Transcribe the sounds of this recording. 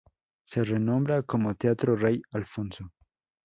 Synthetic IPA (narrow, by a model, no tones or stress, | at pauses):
serenõmbɾakomot̪eat̪ɾorejalfõnso